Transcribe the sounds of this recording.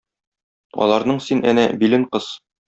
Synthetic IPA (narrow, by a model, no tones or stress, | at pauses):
ɒ̰lˠɑɾnɤɴsinænæbilɘɴqɤz